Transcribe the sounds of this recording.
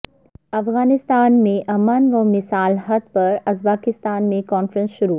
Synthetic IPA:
ɐfɣaːnɪst̪aːnmẽʔɐmaːnʋɐmɪsaːlɦɐd̪̚pɐɾɐzbaːkɪst̪aːnmẽkɔːnfɾə̃nsʃʊɾu

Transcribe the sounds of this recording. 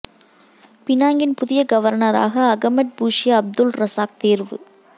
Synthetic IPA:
pɪnaːŋɡɪnpʊðɪjɐɡɐʋɐɾnɐɾa̰ːɣɐːɣɐmɐʈ̚buːʂɪjɐɐb̚d̪ʊlɾɐsaːk̚t̪eːɾʋɯ

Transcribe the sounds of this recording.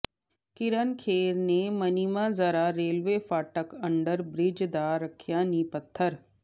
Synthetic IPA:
kɪɾənkʰeːɾnemɐnɪmazəɾaɾeːlʋeːfaːʈəkɐ̃ɳɖəɾbɾɪd͡ʒd̪aːɾəkʰjaːnipət̪ʰːəɾ

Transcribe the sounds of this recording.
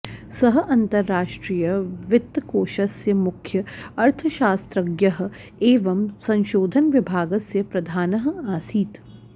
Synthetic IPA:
sɐɦʔɐ̃nt̪ɐɾːaːʃʈɾiːjɐʋɪt̪ːkoːʃɐsjɐmʊkʰjɐɐɾt̪ʰəʃaːst̪ɾɐɡjɐɦ̆ | eːʋɐmsɐ̃nʃoːd̪ʱɐnʋɪbʱaːɡɐsjəpɾɐd̪ʱaːnɐɦaːsiːt̪

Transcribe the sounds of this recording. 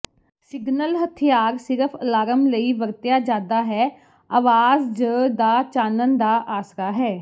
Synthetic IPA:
sɪɡnəlɦət̪ʰijaːɾsɪɾəpʰəlaːɾəmləiːbəɾt̪jaːd͡ʒaːd̪aːɦɛː | aːʋaːzd͡ʒəd̪aːt͡ʃaːnənd̪aːʔaːsɾaːɦɛː

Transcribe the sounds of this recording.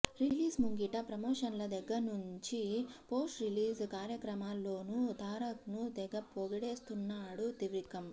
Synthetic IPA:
ɾiliːsmuŋɡiʈɐpɾɐmɔːʂɐnlɐd̪ɛɡːɐɾnuɲt͡ʃipoːsʈɾiliːskaːɾjɐkɾɐmaːlːo̞ːnut̪aːɾɐknut̪ɛɡɐpoɡɐɽeːst̪unːaːɽut̪iʋɾikɐm

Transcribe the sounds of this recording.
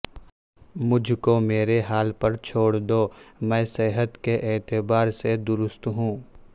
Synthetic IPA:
mʊd͡ʒʱkomeːɾeɦaːlpɐɾt͡ʃʰoːɽd̪oːmɛ̃ːseːɦət̪keʔeːt̪ɪbaːɾsed̪ʊɾʊst̪ɦũː

